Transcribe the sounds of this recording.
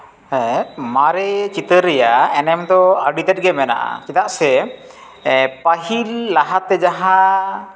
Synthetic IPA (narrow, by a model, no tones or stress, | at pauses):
maɾɛt͡ʃit̪əɾːɛjaɛnɛmd̪ɔaɾɖit̪ɛt̪̚ɡɛmɛna̰ʔa̰t͡ʃit̪aʔsɛ | paɦilːaɦat̪ɛd͡ʒaɦã